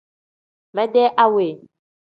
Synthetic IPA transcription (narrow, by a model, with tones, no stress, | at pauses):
mɛ̃˦ɖɛ˦ʔa˦we˨